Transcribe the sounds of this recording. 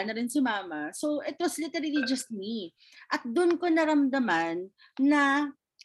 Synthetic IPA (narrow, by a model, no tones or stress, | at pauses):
nɐɾɪnsɪmaːmɐso̞ʔɛt̪ɾɐnslɪt̪ɛɾilid͡ʒɐst̪̚mi | ʔɐt̪̚d̪ʊnkonɐɾɐmd̪ɐmanː | ɐ